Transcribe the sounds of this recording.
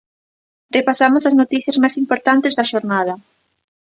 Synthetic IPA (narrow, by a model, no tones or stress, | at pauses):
repasamʊsɐznot̪iθjɐzmajsimpoɾt̪ant̪ɪzðɐʃoɾnað̞ɐ